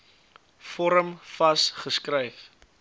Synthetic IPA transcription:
fɔɾəmfɐsχəskrəjf

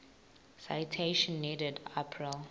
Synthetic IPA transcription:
sa̰jtʰeʃɔ̃nːidɛdapʰɹil

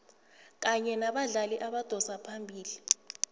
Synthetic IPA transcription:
k̬aɲɛnaɓaɮaliʔaɓad̥ʱɔsapʰambʱiːli

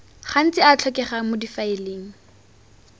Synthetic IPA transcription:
χan̩t͡sɪat͡ɬʰɔkɛχamʊdifaɪleːŋ̩

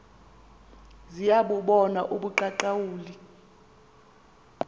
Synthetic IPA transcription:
zijaɓuɓɔnaʔuɓuǃaǃawuːli

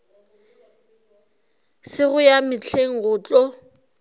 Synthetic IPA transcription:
sɪɣʊjamɪt͡ɬʰeŋ̩ɣʊːt͡ɬʼɔ

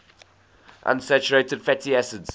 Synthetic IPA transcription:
ʔã̰nsɛt͡ʃəɹeɪtɪd̥fɛtʰiɛsədz̥

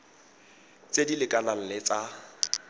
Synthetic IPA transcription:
t͡sʼedilɪkʼalal̩lɪt͡sa

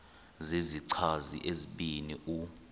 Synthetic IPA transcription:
ziziǀʰazḭʔeziɓiniʔu

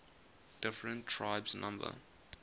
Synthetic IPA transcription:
d̥ɪfɹə̃ntʰːɹaɪbsnʔã̰mbə̰

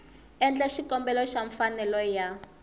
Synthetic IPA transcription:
ɛnd͡ɮaʃikɔmbɛlɔʃaɱfanɛlɔja

